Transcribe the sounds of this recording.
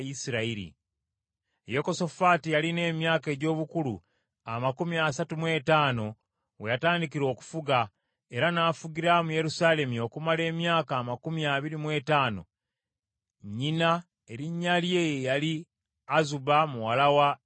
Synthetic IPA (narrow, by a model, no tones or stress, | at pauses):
isiɾaiɾḭ | joko̞so̞faːtijaline̞ːmjaːke̞ːɟo̞ːβukulṵ | amakumiasatumwe̞ːtaːno̞ | we̞jataːndikiɾo̞ːku̥fuɡa | e̞ɾanaːfuɡiɾamuje̞ɾusaːle̞mio̞kumale̞ːmjaːkaːmakumiaβiɾimwe̞ːtaːno̞̰ | ɲːina | e̞ɾiɲːalje̞ːjejali | azubamuwalawa